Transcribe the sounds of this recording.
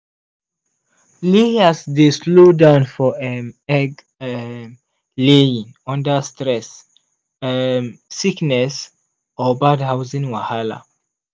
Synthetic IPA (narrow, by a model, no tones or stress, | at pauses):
leasdeslodãʊ̃nfɔɛɛɡ | leĩŋɔ̃ndəstɹɛs | iknɛs | ɔbadhaʊzĩŋwahala̰